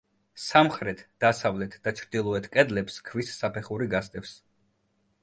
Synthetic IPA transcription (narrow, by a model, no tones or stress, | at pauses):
samχɾɛt̪ʰd̪̥asavlɛt̪ʰd̪̥at͡ʃʰɾd̪ilˠɔɛt̪ʰkʼɛd̪lɛpskʰvisːapʰɛχuɾiɡast̪ʼɛfs